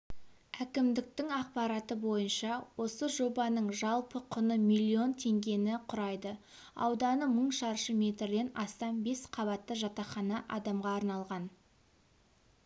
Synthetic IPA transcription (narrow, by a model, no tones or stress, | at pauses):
ækʲɪmd̪ɪk̚t̪ɪŋɑq̚pɑɾɑt̪əbo̞jənʃɑwo̞səʒo̞bɑnəɴʒɑlˠpəqʰʊnəmilʲːio̞nt̪ʰe̞ŋɡʲe̞nɪqʰʊɾɑjd̪ə | ɑ̰wd̪ɑnəməɴʃɑɾʃəmʲe̞t̪ɾd̪e̞nɑst̪ɑnbe̞sqʰɑβɑt̪ːəʒɑt̪ɑχɑnɑʔɑd̪ɑmʁɑːɾnɑlˠʁɑn